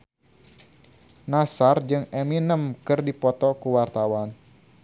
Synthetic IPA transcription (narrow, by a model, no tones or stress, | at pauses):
nasard͡ʒɨŋɛminəmkɨrdipɔt̪ɔkuwart̪awan